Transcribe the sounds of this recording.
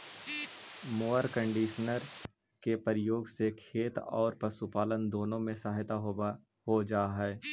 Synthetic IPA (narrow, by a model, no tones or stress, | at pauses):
moːəɾkə̃ɳɖiːʃnəɾ | kepəɾɪjoːɡsekʰeːt̪ɔːɾpəsupaːlənd̪oːnõmẽsaːɦt̪aɦo | hod͡ʒaːɦɛː